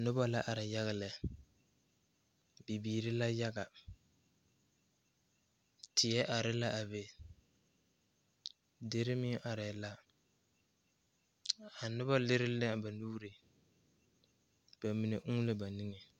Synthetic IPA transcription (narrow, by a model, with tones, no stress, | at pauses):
nʊ˦ba˦la˦ʔa˨ɾɪ˨ja˦ɣa˨lɛ˨ | bi˨biː˨ɾɪ˦la˦ja˦ɡa˨ | tʰɪ˨ɛ˦ʔa˨ɾɪ˦la˦ʔa˨be˨ | dɪ˦ɾɪ˦mɪ˦ʔa˨ɾɛ˨la˦ | a˨nʊ˦ba˦lɪ˦ɾɪ˦lɪ˦˨ba˨nuː˦ɾɪ˨ | b̥a˨mi˨ne˨ʔu˦lɪ˦ba˨ni˦ŋɛ˨